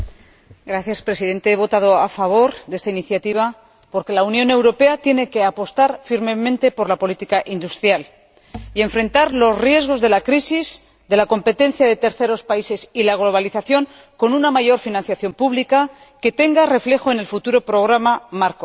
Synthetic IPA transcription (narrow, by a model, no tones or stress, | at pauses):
ɡɾaθjaspɾe̞siðe̞nt̪e̞eβo̞t̪að̞o̞afaβ̞o̞ɾðe̞st̪ainiθjat̪iβ̞a | po̞ɾke̞launjõ̞ne̞wɾo̞pe̞at̪je̞ne̞ke̞apo̞st̪aɾfiɾme̞mẽnt̪e̞po̞ɾlapo̞lit̪ikaʔind̪ust̪ɾjal | ie̞ɱfɾe̞nt̪aɾlo̞srje̞zɣ̞o̞zðe̞lakɾisiz | d̪e̞lako̞mpe̞t̪e̞nθjaðe̞t̪e̞ɾθe̞ɾo̞spaise̞silaɣ̞lo̞β̞aliθaθjo̞ŋ | ko̞nunamaʝo̞ɾfinãnθjaθjo̞mpuβlika | ke̞t̪e̞ŋɡare̞fle̞xoe̞ne̞lfut̪uɾo̞pɾo̞ɣ̞ɾamamaɾko̞